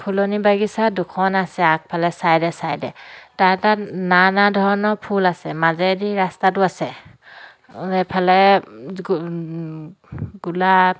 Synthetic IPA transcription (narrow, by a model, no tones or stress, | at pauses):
pʰulɔnibaɡisadukʰɔnasɛak̚pʰalɛsajdɛsajdɛtaɛtananadʱɔɹnɔpʰulasɛmazɛdiɹastatʊasɛ | ɛpʰalɛ | ɡ̥ula